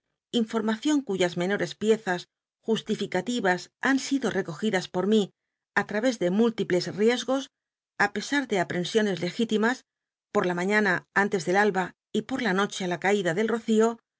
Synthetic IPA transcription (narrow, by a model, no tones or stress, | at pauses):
iɱfo̞ɾmaθjo̞ŋkuʝazmẽ̞no̞ɾe̞spje̞θas | xust̪ifikat̪iβasansiðo̞re̞ko̞xiðaspo̞ɾmi | at̪ɾaβe̞zðe̞mult̪iple̞srje̞zɣo̞s | ape̞saɾðe̞apɾe̞nsjo̞ne̞zle̞xit̪imas | po̞ɾlamãɲãnaant̪e̞zðe̞lalβa | ipo̞ɾlano̞t͡ʃe̞alakaiðaðe̞lro̞θio̞